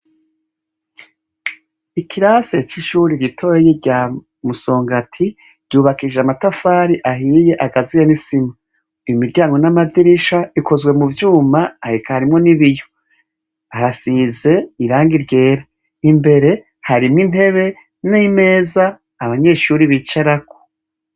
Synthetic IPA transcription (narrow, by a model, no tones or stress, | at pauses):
ikʰiɾase̞t͡ʃiʃuːɾiɾitʰo̞jejeɟa | muso̞ːŋɡatʰi | ɾɟ̥uːβakiʒeamatafaːɾiʔaɦiːje̞ʔaɡazijenisima | imiɾɟaːŋɡo̞namadiɾiʃaiko̞zwe̞muvjuːmaːɾikahaɾimŋo̞niβijo | aɾasize̞iɾaːŋɡiɾɟe̞ːɾa | nimbe̞ɾe̞ | haɾimŋin̥he̞βe̞ | nime̞ːzaː | βaɲe̞ʃuːɾiβit͡ʃaɾako̥